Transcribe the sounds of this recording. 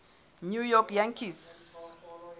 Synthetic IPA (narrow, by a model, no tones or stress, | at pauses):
njujɔkjãŋkis